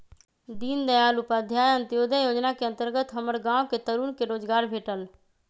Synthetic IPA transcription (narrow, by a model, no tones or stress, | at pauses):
d̪iːnd̪əjaːlʊpad̪ʱjaːjə̃nt̪ɪjoːd̪əjoːd͡ʒnakeə̃nt̪əɾɡət̪ɦəməɾɡãːʋket̪əɾuːnkeɾoːd͡ʒɡaːɾbʱeːʈəl